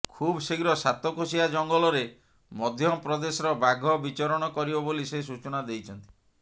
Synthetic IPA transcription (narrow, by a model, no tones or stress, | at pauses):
kʰubseɡɾɔsat̪ɔkʰusiad͡ʒɔŋɡɔlɔɾe | mɔd̪ʱjɔpɾɔd̪esɔɾɔbaɡʱɔbit͡ʃɔɾɔɽ̃ɔkɔɾibɔbolises̬ut͡ʃɔnad̪ejt͡ʃʰɔnt̪i̥